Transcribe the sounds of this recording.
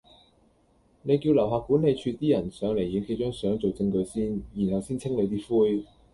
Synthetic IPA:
ne˨˧jki˧wlɐ˨˩wɦaː˨k̚ku˨˥nːe˨˧jt͡ʃʰyː˧t̪iː˥jɐ˨˩nsœː˨˥ŋle˨˩jjɪ˨˥ŋkʰe˧˥jt͡ʃœ˥ŋsœː˨˥ŋt͡so˨wt͡sɪ˧ŋkɵ˨˧ɥsiː˥nji˨˩nhɐ˨wsiː˥nt͡sʰɪ˥ŋle˨˧jt̪̬iː˥fuː˥j

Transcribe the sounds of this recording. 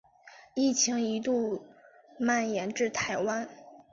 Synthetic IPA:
i˥˩t͡ɕʰi˧˥ŋi˧˥t̪u˥˧ | ma˥˩njɛ˧˥nʈ͡ʂɻ̩˥˩t̪ʰa˧˥ɪwa˥n

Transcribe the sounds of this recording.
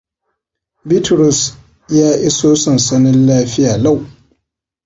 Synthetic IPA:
bi˦tɾʊ˨s | jaː˦ʔi˦soː˦sɐ˨nsɐ˦nɪ˦nlaː˦ɸɪ˦jaː˨la˦˨w

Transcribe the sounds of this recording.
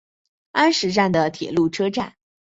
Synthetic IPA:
a˥nʂɻ̩˧˥ʈ͡ʂa˥˩nd̪ə˩t̪ʰjɛ̰˨˩lu˥˩ʈ͡ʂʰɤ˥ʈ͡ʂa˥˩n

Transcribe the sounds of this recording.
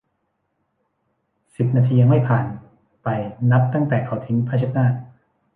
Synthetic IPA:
si˨˩p̚naː˧t̪ʰiː˧ja˧ŋma˥˩jpʰaː˨˩n | pa˧jna˦˥p̚t̪a˥˩ŋt̪ɛː˨˩kʰa˨˩˦wt̪ʰi˦ŋpʰaː˥˩t͡ɕʰa˦˥˩k̚naː˥˩

